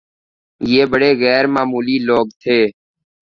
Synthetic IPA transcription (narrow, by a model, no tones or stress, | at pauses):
jeːbəɽeːɣɛːɾmaːmuːliːloːɡt̪ʰeː